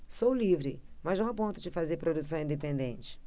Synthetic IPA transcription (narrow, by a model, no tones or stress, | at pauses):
sowlivɾɪmɐznɐ̃w̃apõnt̪ʊd͡ʒɪfazeɾpɾod̪usɐ̃w̃ĩnd̪epẽnd̪ẽnt͡ʃɪ̥